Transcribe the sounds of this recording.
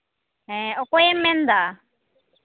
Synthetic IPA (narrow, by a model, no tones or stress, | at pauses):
ɛ̃ɔkɔjɛmːɛ̃nd̪a